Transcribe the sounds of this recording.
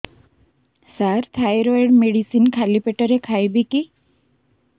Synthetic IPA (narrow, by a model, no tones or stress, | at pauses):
saɾt̪ʰajɾɔeɽmeɽisinkʰalipeʈəɾekʰajbiki